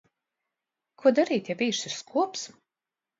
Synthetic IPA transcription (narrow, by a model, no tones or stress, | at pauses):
kʰuɔd̪aɾiːt̪javʲiːʃɪɾskʰuɔps